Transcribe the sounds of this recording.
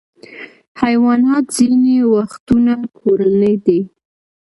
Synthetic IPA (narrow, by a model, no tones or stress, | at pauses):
hajwɑnɑt̪z̥inewaxt̪unakʰoɾanəjd̪e